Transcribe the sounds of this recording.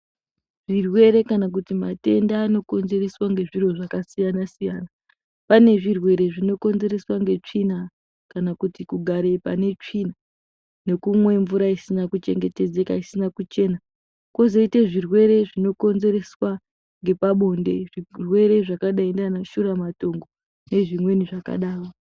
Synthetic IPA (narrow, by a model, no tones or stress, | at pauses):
ʐ̥irwe̞ɾe̞kanak̬utima̰te̞ndaːno̞ko̞nze̞reswaŋɡe̞ʐiro̞ʐakasijanasijaːna | pane̞ʐirwe̞ɾe̞ʐino̞ko̞nze̞ɾe̞swaŋɡe̞t͡ʂina | kanakutikuɡʱaɾe̞pane̞t͡ʂina | ne̞kumwe̞ɱvuɾaisinakut͡ʃe̞ŋɡe̞te̞d͡ze̞ka̰isinakut͡ʃe̞ːna | kwo̞zoite̞ʐirwe̞ɾe̞ʐino̞ko̞nze̞ɾe̞swa | ŋɡe̞paɓo̞nde̞̰ʐirwe̞ɾe̞ʐakaɗaindanaʃuɾamato̞ŋɡo | ne̞ʐimwe̞niʐaka̰ɗaːro